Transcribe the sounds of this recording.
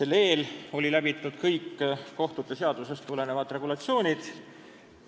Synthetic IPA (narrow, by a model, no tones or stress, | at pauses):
se̞lːe̞ːlo̞lʲilæb̥it̪ːˑud̪̥kɤjkːo̞ht̪ut̪ːˑese̞ɑd̪̥use̞st̪ːule̞ne̞vɑd̪re̞ɡulɑt̪sio̞ːnʲid̪̥